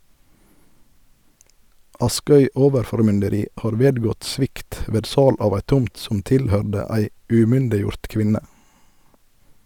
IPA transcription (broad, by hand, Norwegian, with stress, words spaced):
ˈɑˌskœʏ ˈoːʋəɾfɔʁmʏndəˌɾiː ˈhɑːʁ ˈʋeːdˌɡɔt ˈsʋɪkt ˈʋeːd ˈsɑːl ˈɑːʋ ˈæɪ ˈtʊmt ˈsɔm ˈtɪlˌhœɖə ˈæɪ ʉˈmʏndɪˌjʊɾt ˈkʋɪnə